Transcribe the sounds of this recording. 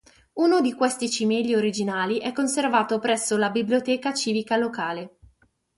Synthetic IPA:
unod̪ikwɛst̪it͡ʃimɛʎːioɾid͡ʒinaːliʔɛkːonservaːt̪opɾɛsːolabibliot̪ɛːkat͡ʃiːvikalokaːle

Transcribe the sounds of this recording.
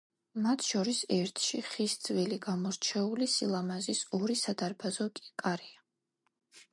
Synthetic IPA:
mat̪ʰʃɔɾisɛɾt̪ʰʃiχisd̪zviliɡamɔɾt͡ʃʰɛulisilˠamazisɔɾisad̪aɾbʰazɔkʼi̥kʼaɾia

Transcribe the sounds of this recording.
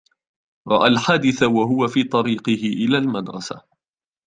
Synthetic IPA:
ɾˤɑ̰ʔaːlħaːd̪ɪθawaɦʊwafiːt̪ˤɑɾiːqɨhɪʔɪlaːlmad̪ɾˤɑ̰sa̰

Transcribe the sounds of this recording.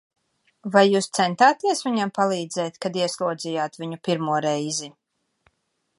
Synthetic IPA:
vajːuːst̪sɛnt̪aːt̪iɛsvʲiɲampalˠiːd̪zɛjt̪kad̪iɛslˠuɔd̪zijaːt̪viɲupiɾmuɔɾɛjzi

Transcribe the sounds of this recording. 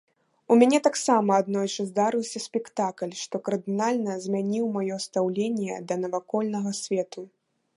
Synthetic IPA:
umʲanʲɛt̪aksamɐːd̪nɔjt͡ʂɨzd̪aɾɨwsʲɐsʲpʲɛkt̪aklʲʂt̪ɔkɐrd̪ɨnalʲnɐzʲmʲanʲiwmajɔst̪awlʲenʲjɛd̪ɐnɐvakɔlʲnɐɣɐsʲvʲɛt̪u

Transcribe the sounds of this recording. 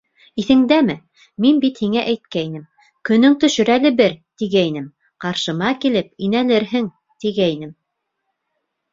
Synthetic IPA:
iθɘ̆ŋd̪æmɘ | minbit̪hiŋæʔæjt̪̚kæinɘm | kɵ̆nɵŋt̪ɵ̆ʃɵ̆ɾælɘbɘɾt̪iɣæinɘm | qɑɾʃɤ̆mɑkilɘp̚inælɘɾɦɘŋ | t̪iɡæinɘm

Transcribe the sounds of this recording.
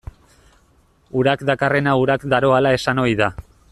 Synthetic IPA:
uɾakd̪akare̞nauɾakd̪aɾo̞alae̞sano̞jða

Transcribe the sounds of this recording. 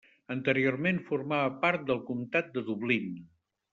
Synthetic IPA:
ənt̪əɾioɾmenfuɾmaβəpaɾt̪̚d̪əlˠkumt̪at̪̚d̪əðuβlin

